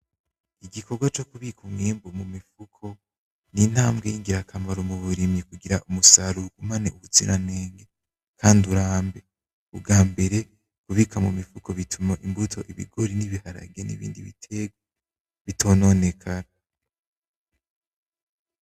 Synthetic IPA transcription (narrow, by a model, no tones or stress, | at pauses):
iɡikʰo̞ɡwat͡ʃo̞kuβikʰumŋiːmbomumifukʰo̞ | nin̥haːmɡejiŋɡiɾakʰambaɾomuβuɾimikuɡiɾaʔumusaɾuɡ̥umanḛʔuβut͡sḭɾʔaneːŋɡe | kʰaːnduɾaːmbe̞ | uɡaːmbe̞ɾe̞ | kuβiːkʰamumifuko̞βitʰumaʔimbutʰo̞̰ʔiβḭɡo̞ɾiniβihaɾa̰ɡe̞nḭβḭːndiβitʰe̞ɡwa | βitʰo̞ːno̞ne̞kʰaɾa